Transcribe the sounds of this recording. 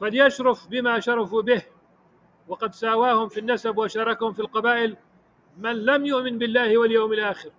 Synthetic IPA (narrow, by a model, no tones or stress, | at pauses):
faljaʃɾʊfbɪmaʃɑɾˤɑfubɪh | wɑqɑd̪saːwaːhʊmfinːasabwaʃɑːɾˤɑkahʊmfilqɑbaːʔɪl | manlamjʊʔmɪnbɪlːaːhɪwaljawmɪlʔaːxɪɾ